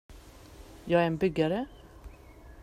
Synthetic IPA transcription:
jɑːɡæɾɛnbʏɡːaɾə

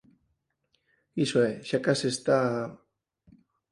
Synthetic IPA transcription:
isueʃakasest̪a

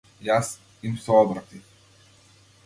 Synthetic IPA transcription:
jas | imsɔɔb̪ɾat̪i

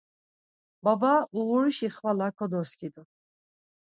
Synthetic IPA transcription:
babauʁuɾiʃiχvalakʰɔd̪ɔskid̪u

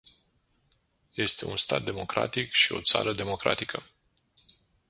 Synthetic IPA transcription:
je̞st̪e̞unst̪at̪̚d̪e̞mo̞kɾa̰t̪ikʃio̞̰t̪sa̰ɾəd̪e̞mo̞kɾa̰t̪ikʰə

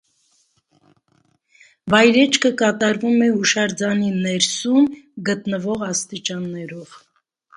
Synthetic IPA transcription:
vɑjɾɛt͡ʃʰkʰəkɑt̪ɑɾvumɛuʃɑɾd͡zɑninɛɾsumɡət̪nəvɔʁɑst̪it͡ʃɑnːɛɾɔv̥

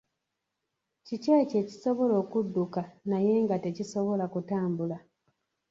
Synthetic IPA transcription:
cicece̞ːci̥so̞βo̞lo̞ːkudːukanaje̞ːŋɡate̞ciso̞βo̞lakutaːmbula

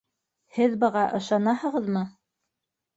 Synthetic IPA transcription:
hɘðbɤ̆ʁɑʔɤ̆ʃɑnɑhɤ̆ʁɤ̆ðmɤ

